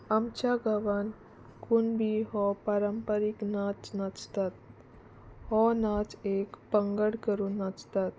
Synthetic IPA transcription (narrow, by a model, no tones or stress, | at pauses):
amt͡ɕaɡəʋan | kunbʱiɦɔpaɾəmpəɾiknat͡snat͡st̪at̪̚ | hɔnat͡sekpə̃ŋɡəɽkəɾunːat͡st̪at̪